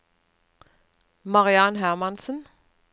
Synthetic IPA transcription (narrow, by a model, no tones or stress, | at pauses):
mɑʁɪɑnɦæʁmɑnsən̩